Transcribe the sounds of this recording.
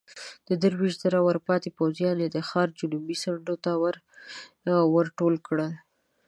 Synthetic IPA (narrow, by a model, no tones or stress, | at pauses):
d̪̥əd̪əɾwiʃzaɾawəɾpɑt̪epawzjɑned̪əxɑɾd͡ʒunubisaɳɖot̪awəɾ | wəɾʈolkɽə